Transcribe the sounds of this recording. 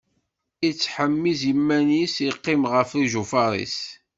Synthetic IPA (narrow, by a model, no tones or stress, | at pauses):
it͡sːħəmːizjəmːænisiqːɪmʁəfiʒufɑɾˤḭs